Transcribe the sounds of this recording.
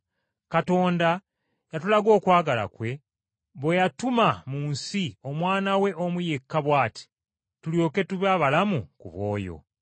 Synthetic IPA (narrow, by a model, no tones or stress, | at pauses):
kato̞ːnda | jatulaɡo̞ːkwaːɡala̰kwe̞ | βwejatumamuːnsio̞mwaːnawe̞ʔomuje̞kːaβwaːti̥ | tuljo̞ːke̞tuβaːβalamukṵβwo̞̰ːjo̞̰